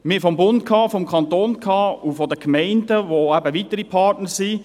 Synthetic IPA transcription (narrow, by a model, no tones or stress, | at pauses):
mɪfɔmbʊnt̚kʰɑːfɔmkʰɑnt̪oːnkʰɑːufɔdəkmɛɪndəʋoæbəʋitəɾipʰɑtnəɹsi